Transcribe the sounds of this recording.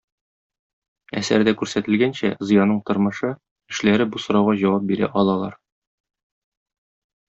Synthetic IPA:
æ̰sæɾd̪ækʉɾsæt̪ɘ̆lɡænɕæzɤ̆jɑnɤɴt̪ŏɾmɤ̆ʃɤ | ɘ̆ʃlæɾɘbusŏɾɑwʁɑʑɒwɑp̚biɾæ̰ʔɒlˠɑlˠɑ̰ɾ

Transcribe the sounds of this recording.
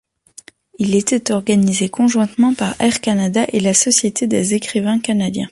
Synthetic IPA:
ilet̪ɛt̪ɔʁɡanizekɔ̃ʒwɛ̃t̪mɑ̃paʁɛʁkanad̪aʔelasɔsjet̪ed̪ezekχivɛ̃kanad̪jɛ̰̃

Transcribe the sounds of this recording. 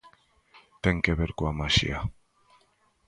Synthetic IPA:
t̪eŋkeβeɾkoamaʃḭa

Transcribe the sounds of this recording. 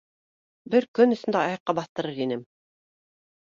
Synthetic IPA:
bɘɾkɵnɵ̆sɵ̆nd̪æɑjɑ̆qːɑbɑθt̪ɤ̆ɾɤɾinɘm

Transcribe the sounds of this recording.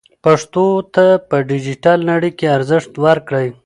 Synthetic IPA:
paʂt̪ot̪apəɖid͡ʒiʈalnaɽəjkeaɾzɪʂt̪waɾkɽəj

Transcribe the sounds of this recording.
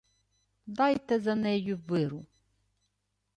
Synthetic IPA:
d̪ɑjt̪ɛzɐnɛjʊʋɪɾʊ

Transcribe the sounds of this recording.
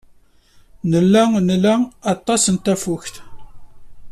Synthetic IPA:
nəlːænəlːæɑt̪ˤːɑsənt̪æfʊçt̪

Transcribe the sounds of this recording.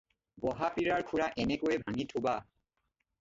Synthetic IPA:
bɔɦapiɹaɹkʰuɹaʔɛnɛkoɛbʱaŋitʰuba

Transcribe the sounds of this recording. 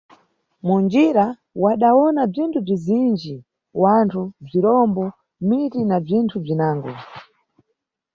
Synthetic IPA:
mund͡ʒiɾa | waɗawɔnab͡ʐintʰub͡ʐizind͡ʒi | wantʰub͡ʐiɾɔmbɔ | mitinab͡ʐintʰub͡ʐinaːŋɡɔ̰

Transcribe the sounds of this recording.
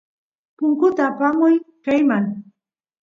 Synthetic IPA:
pʊŋkʊt̪aːpamʊjkajmaŋ

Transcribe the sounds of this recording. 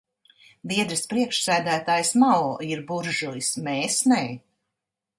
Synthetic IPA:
viɛd̪ɾɨspɾiɛkʃsæːd̪æːt̪aːjsmawiɾbuɾʒulismɛːsnɛː

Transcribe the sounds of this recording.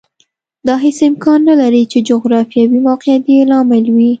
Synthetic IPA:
d̪ɑɦesɪmkɑnːalaɾit͡ʃed͡ʒʊɣɾɑfijɑwiwɑqjat̪jelɑmɪlwi

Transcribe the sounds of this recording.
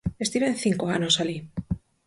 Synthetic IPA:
est̪iβeenθiŋkoanosali

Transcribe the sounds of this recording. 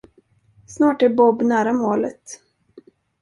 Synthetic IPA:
snɑːʈæɾbɔbːnæːɾamoːlət̪

